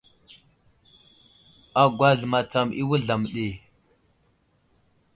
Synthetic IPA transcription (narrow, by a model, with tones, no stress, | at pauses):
a˨ɡʷa˦ɮma˨t͡sa˨mḭ˦wu˦ɮa˨m˨ɗe˨